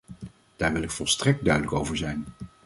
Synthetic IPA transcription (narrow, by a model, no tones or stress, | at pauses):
d̥aːɹʋɪlˠɪkfɔlˠstrɛk̚d̚dœɥdələkowvəɹzɛjn